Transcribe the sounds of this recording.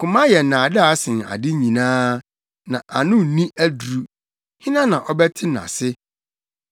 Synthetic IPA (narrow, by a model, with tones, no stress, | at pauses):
kʰʊ̃˨mã˦jɛ˨nã˨dɪ˦a˨˦sɪ̃˨n˨a̰˨dɪ˦ɲĩ˨nãː˦ | nã˨ʔa˨nʊ̃˦˨nĩ˦ʔæ˦du˨ɾu˨ | hɪ̃˦nã˦nã˨ʔɔ˦bɛ˦tʰɪ˦nã̰˨sɪ˦